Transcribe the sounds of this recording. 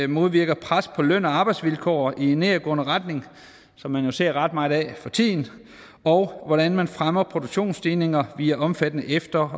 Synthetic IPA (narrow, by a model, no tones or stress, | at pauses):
mo̝ð̞ˠʋiɐ̰ɡ̥ɐpʰʁaspʰɒ̽løn̰ɒɑ̈ːb̥ɑɪ̥sʋilkʰɒ̰ːie̝nːeːɐɡ̥ɔ̽ːnəʁɑd̥ne̝ŋ | sɒ̽mːænjo̝se̝ɐ̰ʁɑ̈d̥mɑ̈ɪð̩ˠɛfɒ̽t͡sʰḭːn̩ | ɒʊʋɒɾ̥ænmænfʁamɐpʰʁo̝d̥oɡ̥ɕo̝̰ːnsd̥iːne̝ŋɐʋiːæʔɒ̽mfæd̥ənəʔefd̥ɐ